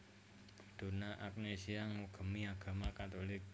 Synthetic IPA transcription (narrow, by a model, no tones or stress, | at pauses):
d̪̥o̤naʔap̚nesiaŋuɡ̥ə̤miaɡ̥a̤makat̪olɪk̚